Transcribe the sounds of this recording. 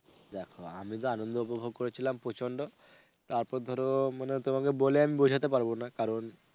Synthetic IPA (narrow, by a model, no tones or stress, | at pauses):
d̪ɛkʰoa̰mit̪̬ɔanɔnd̪ɔupɔbʱoɡ̚koɾet͡ɕʰilampot͡ʃʰɔɳɖɔ | t̪aɾpɔɾd̪ʱɔɾomanet̪omakeboleamibod͡ʒʱat̪epaɾbonakaɾɔn